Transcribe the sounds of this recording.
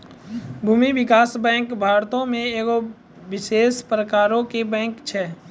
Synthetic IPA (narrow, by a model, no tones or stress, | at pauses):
bʱuːmiʋɪkaːsbɛ̃ːŋkbʱaːɾt̪õmẽeːko | ʋɪʃeːspɾəkaːɾõkebɛ̃ːŋkt͡ʃʰɛː